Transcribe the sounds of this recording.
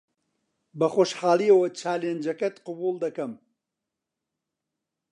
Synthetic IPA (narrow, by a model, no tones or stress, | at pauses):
bɐxoːʃħaːlˠiɐwɐt͡ʃʰaːleːnd͡ʒɐkɐt̪qʊbuːlˠd̪ɐkɐm